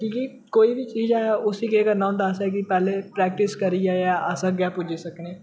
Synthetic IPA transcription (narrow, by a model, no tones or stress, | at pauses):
ʈʰiːkiː | koːiːbʱiːt͡ʃiːd͡ʒɛʊsiːkeːkəɾnaːʊ̃nd̪aːsɛːk̬ɪpɛːleːpɾɛːk̚ʈɪskəɾiːaːaːʔəsãːɡɛːpʊd͡ʒeːsəkneː